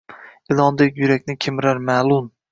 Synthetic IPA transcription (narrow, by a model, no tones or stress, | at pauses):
ɪlˠɒnd̪ekʲjʊɾakʲnɪkʲʰɪmɾaɾmaːlˠʊm